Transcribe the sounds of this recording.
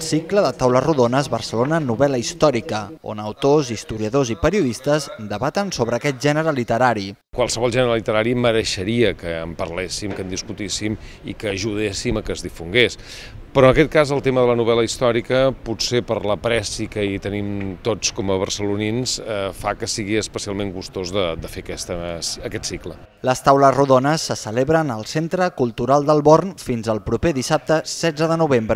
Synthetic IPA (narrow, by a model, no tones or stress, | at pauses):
lˠsikləðət̪awləruðonəzβərsəlonənuβɛləist̪ɔɾikəo̰nəwt̪ozist̪uɾiəðozipəɾiuðist̪əzd̪əβat̪ənsoβɾəːkɛt̪̚ʒɛnəɾəlit̪əɾaɾikwalˠsəβɔlˠʒɛnəɾəlit̪əɾaɾiməɾəʃəɾiəkəːmpəɾlesimkənd̪iskut̪isim | ḭkəːʒuðesiməkəzðifuŋɡes | pɾɔənəkɛt̪̚kazəlˠt̪eməðələnuβ̞ɛləist̪ɔɾikəpusepərləpɾɛsikəit̪ənimt̪ot͡skɔməβərsəluninsfakəsiɣiəspəsialˠmeŋɡust̪ozðəd̪əfekɛst̪əsəkɛt̪siklə̰ | ləst̪awləzruðonəsːəsəleβɾənəlˠsent̪ɾəkulˠt̪uɾalˠd̪əlˠβornfinzəlˠpɾupeðisap̚t̪əsɛdd͡zəðənuβ̞embɾə